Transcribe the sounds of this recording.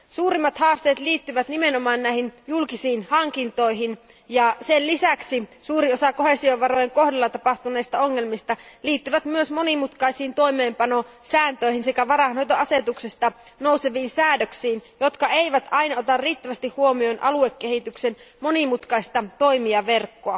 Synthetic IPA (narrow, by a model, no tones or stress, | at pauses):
suːɾimːɑt̪hɑːst̪eːt̪liːt̪ːyʋæt̪nimenomɑːnnæihinjulkisiːnhɑŋkint̪o̞iɦin | jɑsellisæksisuːɾiosɑko̞he̞sioʋɑɾojeŋko̞hdɑlːɑt̪ɑpɑht̪unejst̪ɑoŋːelmist̪ɑliːt̪ːyʋæt̪myøsmo̞nimut̪kɑisiːnt̪o̞imeːmpɑno̞sæːnt̪øiɦinsekæʋɑrɑhɑnhojt̪oɑset̪uksest̪ɑ | no̞useʋiːnsæːdøksiːnjot̪kɑeiʋæt̪ɑinɑot̪ɑrriːt̪ːæʋæst̪ihhuomionʔɑluekːehit̪yksenmonimut̪kɑist̪ɑt̪oimiɑʋerkːoɑ